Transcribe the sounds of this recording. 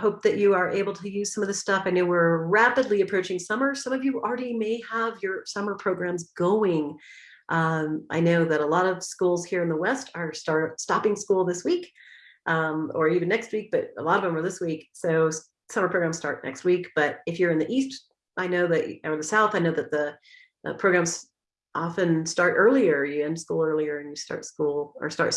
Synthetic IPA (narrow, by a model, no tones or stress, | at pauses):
hoʊp̚ðɨt͡ʃɨə˞ʔeɪbl̩ˠtʰɨjʉz̥sʌ̃mʌvðɨstʌfaɪnoʊwɪɹɹæpɨdˡliɨpʰɹ̥oʊt͡ʃɪ̃ŋsʌmə˞sʌ̃mʌvjɨl̩ˠɹɛɾimeɪəvjə˞sʌmə˞pʰɹ̥oʊɡɹæ̃mzɡoʊɪ̃ŋ | ʔʌ̃mʔa̰ɪnoʊðɨɾəlɔɾʌv̥skulˠz̥hiɹɨ̃nðəwɛstʰə˞stɑɹtstɑpɪ̃ŋskulˠðɪswik | ʔmə˞ivɨ̃nːɛkst̚wik̚b̥ʌɾə̰lɔɾʌvʌ̃mə˞ðɪswiksoʊ | sʌ̃mə˞pʰɹoʊɡɹæ̃mz̥stɑ̰ɹtʔⁿnʔɛ̰kst̚wikb̥ʌɾɨfjə˞ɨ̃nðiʔist | ʔaɪnoʊðɨʔə˞ðɨsaʊθaɪnoʊðɨt̪̚ðɨ | ɨ̰pʰɹ̥oʊɡɹæ̃mz̥ | ʔɑfɨ̃nstɑɹɾʔɜ˞lˠiə˞jɨɨ̃nskulˠɜ˞lˠiə˞ɨ̃njɨstɑ̰ɹtskulˠə̰˞stɑ̰ɹt